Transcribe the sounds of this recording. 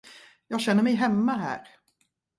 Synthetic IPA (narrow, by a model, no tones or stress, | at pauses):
jɑːɡɕɛnːəɾmɛjɦɛmːaɦæ̰ːɾ